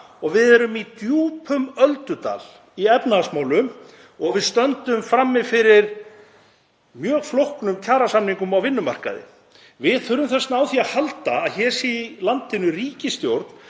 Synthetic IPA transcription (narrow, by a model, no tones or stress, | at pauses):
ɔɣvɪðɛɾʏmit̪juːpʰʏmœlt̪ʏt̪a̰ːl | iɛpnaasmaːwlʏm | ɔɣvɪðst̪œnt̪ʏmfɾamːɪðfɪɾɪɾ̥ | mjœːɣflohknʏmcʰaːɾasamniŋkʏmawvɪnːʏma̰r̥ka̰ðɪ̰ | vɪðθʏɾʏmθɛsnaːwθiahalt̪aːðçɛːɾ̥silant̪ʰːɪnʏriːcɪst̪jowɾt̪n̥